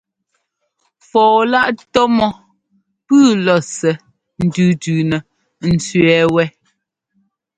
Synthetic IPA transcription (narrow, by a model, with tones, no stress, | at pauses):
fɔː˨la˦ʔtɔ˦mɔ˦ | pʉː˦˨lɔ˨sɛ˨ | n̩˨dʉː˨tʉː˨nɛ˨ | n̩˨t͡sɥɛː˨˦wɛ˦